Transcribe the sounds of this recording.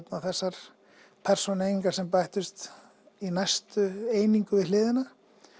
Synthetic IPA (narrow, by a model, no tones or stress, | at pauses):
p̪nawθɛsːaɾ̥ | pʰɛr̥sɔneːjniŋkaɾ̥sɛmpajht̪ʏst̪ | inajst̪ʏeːjniŋkʏvɪðlɪːðɪna